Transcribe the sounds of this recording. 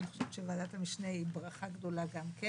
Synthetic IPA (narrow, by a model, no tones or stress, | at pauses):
niχoʃevʃevaːd̪at̪amiʃneibʁaχaɡd̪o̞laɡamke